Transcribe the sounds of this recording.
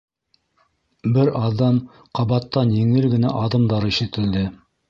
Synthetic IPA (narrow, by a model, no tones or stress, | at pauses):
bɘɾɑðɑm | qɑβɑt̪ːɑnjɘ̆ŋɘlɡɘ̆næ̰ʔɑðɤ̆md̪ɑɾɤiʃɘ̆t̪ɘ̆ld̪ɘ